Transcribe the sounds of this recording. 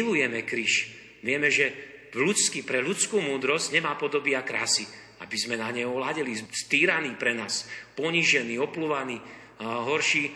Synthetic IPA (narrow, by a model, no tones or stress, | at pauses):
lujɛmɛkɾiʃ | ʋɪɛmɛʒɛ | lut͡skipɾɛʎut͡skuːmuːd̪ɾɔzɟɲɛmaːpɔd̪ɔbiakɾaːsi | abizmɛnaɲɛɦɔʋlaɟɛlist̪iːɾaniːpɾɛnaːspɔɲiʒɛniːɔpluʋaniː | ɦɔɾʃiː